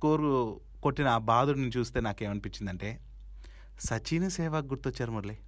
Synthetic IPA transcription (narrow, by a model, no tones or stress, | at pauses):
koːɾu | koʈːinɐaːbaːd̪uɽnut͡ʃuːst̪eːnaːkeːmɐnipit͡ʃːind̪ɐɳʈe̞ː | sɐt͡ʃiːnɐsɛːʋaːk̚ɡuɾt̪ot͡ʃːaːɾumɐɾli